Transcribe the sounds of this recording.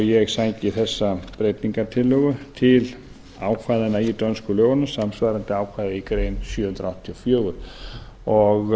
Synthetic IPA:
jɛɣsaɲcɪθɛsːapɾejt̪niŋkaɾt̪ʰɪlːœɣʏt̪ʰɪl | aːwkʰvajðɪnait̪œnskʏlœːɣʏnʏsamsvajɾant̪ɪaːwkʰvaːjðɪikɾejnsjœːhʏnt̪ɾawht̪ʰːiɔfjœːɣʏɾ̥ | ɔɣ

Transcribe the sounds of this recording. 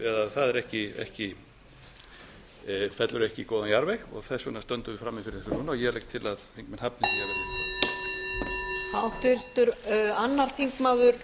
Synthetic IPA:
ɛðaðθaðɛɾɛhcɪɛ̰hcɪ | fɛt̪lʏɾɛhcɪkɔːwðanjaɾvɛxɔ̰ɣθɛsːʏnast̪œnt̪ʏvɪfɾamːɪfɪɾɪ̥θɛsʏnuːnaɔjɛɾlejk̚t̪ʰɪlaðθiŋkmɛnhapnɪθijavɛɾʏ | hawt̪ɪr̥t̪ʏɾanːaɾ̥θiŋkmaːðʏɾ̥

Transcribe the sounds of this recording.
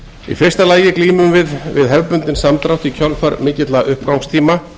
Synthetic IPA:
ḭfɪr̥st̪alaːjɪkliːmʏmvɪðvɪ̰ðɦɛvpʏnt̪ɪnsamt̪ɾawt̪icʰœlfaɾmɪːcɪt̪laʔʏhpkawŋst̪ʰiːma

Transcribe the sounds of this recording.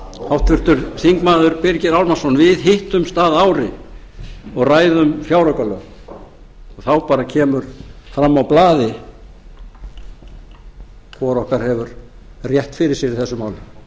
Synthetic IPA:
hawht̪ʰʏɾ̥t̪ʏɾθiŋkmaːðʏɾpɪɾcɪɾawlmasɔnvɪðɦɪht̪ʏmst̪aːðaːwɾɪ | ɔɣraːjðʏmfjawɾɔkalœ̰ːɣ | ɔɣθawpaːɾacʰɛːmʏɾ̥fɾamːawplaːðɪ | kʰvɔɾɔhkaɾ̥hɛvʏɾ | rjɛht̪fɪɾɪɾsjɛɾɪθɛsːʏmaːwlʏm

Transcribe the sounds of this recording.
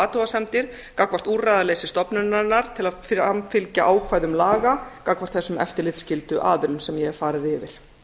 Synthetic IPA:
aːt̪uasɛmt̪ɪɾ̥ | kakvar̥t̪uːrajðaleːjsɪst̪ɔpnʏnaɾnːaɾ̥t̪ʰɪlaðamfɪlcaʔaːwkʰvaːjðʏmlaːɣakakvaɾ̥t̪θɛsʏmɛ̰ft̪ɪɾlɪt̪scɪlt̪ʏʔaːðʏɾʏnsɛmjɛɛɾ̥faːɾɪðɪvɪɾ̥

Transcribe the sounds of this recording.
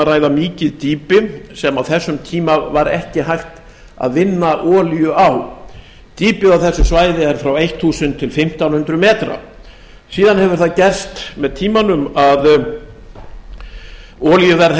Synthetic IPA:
araːjðamiːcɪðt̪iːpɪsɛmawθɛsːʏmt̪ʰiːmavaɾɛ̰hcɪɦajxt̪ | a̰ðvɪnːaʔɔːljʏaw | t̪iːpɪawθɛsːʏsvaːjðɪɛɾ̥fɾawejht̪ʰːuːsʏnt̪ʰɪlfɪm̥t̪awnhʏnt̪ɾʏmɛːt̪ɾa̰ | siːðanhɛvʏɾ̥θaðcɛr̥st̪mɛðt̪ʰiːmanʏmað | ɔːljʏvɛɾ

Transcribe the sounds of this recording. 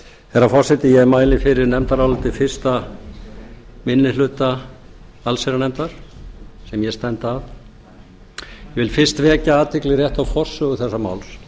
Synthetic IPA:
θɛɾafɔr̥sɛt̪ɪjɛmaːjlɪfɪɾɪɾnɛmt̪aɾawlt̪ɪfɪr̥st̪a | mɪnːɪlʏːt̪a | alsɛɾanɛmt̪aɾ̥sɛmjɛst̪ɛnt̪af | jɛvɪlfɪr̥st̪vɛːcaaːt̪ʰɪklɪrjɛht̪awfɔr̥sːʏʏθɛsːama̰ːwls

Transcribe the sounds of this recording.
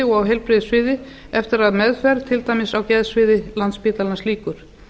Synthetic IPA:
ɪɔɣawɦɛjlpɾɪːðɪsvɪːðɪ | ɛft̪ɪɾaðmɛðfɛɾt̪ʰɪlt̪ajmɪsawcɛðsvɪːðɪlant̪spɪːt̪lalansliːkʏɾ̥

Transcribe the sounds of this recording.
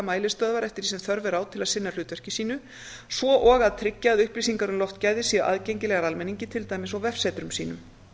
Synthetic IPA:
maːjlɪst̪œːðvaɾɛft̪ɪɾisɛmθœɾvɛɾaːwt̪ʰɪlaðsɪnːal̥ʏːt̪vœr̥cɪsiːnʏ | svɔʔɔːɣaðt̪ʰɾɪcːaːðʏhplisiŋkaɾʏmlɔwft̪caːjðɪsiːaʔa̰ðcejɲcɪlɛɣaɾalmɛnːiɲcɪt̪ʰɪlt̪aːjmɪsawvɛfsɛːt̪ɾʏmsiːnʏm

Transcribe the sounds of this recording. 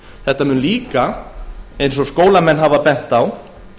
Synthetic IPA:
θɛht̪amʏːnliːka | ẽjnsɔskoːwlamɛnːɦavapɛn̥t̪aw

